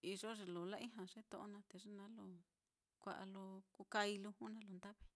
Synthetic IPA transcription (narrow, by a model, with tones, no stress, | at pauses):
i˧ʐo˦ʐe˧lo˨la˦ĩ˦ɦã˧ʐe˦t̪õ˧ʔo˧nã˧t̪e˨ʐe˦nã˦lo˧˨ | kʷa˧ʔa̰˧lo˧ku˧ka˧i˧lu˧hu˦nã˧˦lo˧nd̪a˦βe˦